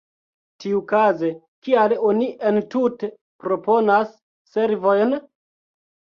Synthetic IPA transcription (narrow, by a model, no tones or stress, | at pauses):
tiukaze | kialo̞niʔentute | pɾo̞po̞nasː | e̞ɾvo̞jn